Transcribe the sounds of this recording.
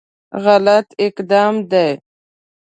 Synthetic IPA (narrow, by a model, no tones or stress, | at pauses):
ɣalat̪ɪqd̪ɑːmd̪aj